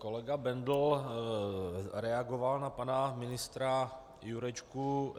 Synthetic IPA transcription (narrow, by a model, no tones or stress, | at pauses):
kolɛɡabɛnd̪l̩ | ɾɛaɡovalnapanamɪnɪst̪ɾa | juɾɛt͡ʃku